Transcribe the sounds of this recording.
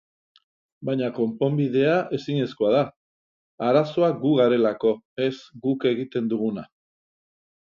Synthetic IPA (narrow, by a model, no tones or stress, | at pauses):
bajɲako̞mpo̞mbið̞e̞aʔe̞siɲe̞sko̞aða | aɾaso̞aɡuɣaɾe̞lako̞ | e̞zɡuke̞ɣit̪e̞nd̪uɣuna